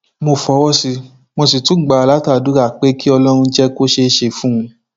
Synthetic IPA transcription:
mo˧˨fɔ˨˦wɔ˦si˧ | mo˧si˨tũ˨˦ɡ͡ba˨a˨la˨˦ta˦˨du˨˦ɾa˦˨k͡pe˦ki˦ɔ˧lɔ˦ɾ̃ũ˧d͡ʒɛ˦ko˦ʃe˧˦ʃe˧fũ˦ũ˧

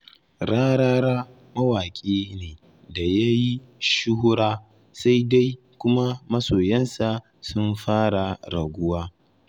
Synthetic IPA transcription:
ɽaː˦ɽaː˦ɽaː˦ | mɐ˦waː˨kʲʼeː˦neː˨ | da˨ja˦ji˦ʃʊ˦ɦʊ˦ɽaː˦ | sa˦jda˦j | kʷʊ˦ma˦mɐ˦soː˨jɐ˦nsa˨ | sʊ˦mɸaː˦ɽa˨ɽɐ˨ɡʷʊ˦waː˦

